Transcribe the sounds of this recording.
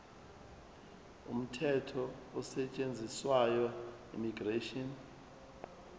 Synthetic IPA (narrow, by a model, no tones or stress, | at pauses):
ṵm̩tʰɛtʰɔɔsɛt͡ʃʼend͡zʱiswajɔ | ḭmiɡreʃɔn